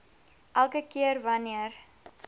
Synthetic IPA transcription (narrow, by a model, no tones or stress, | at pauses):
ʔælˠkəkiərvɐniər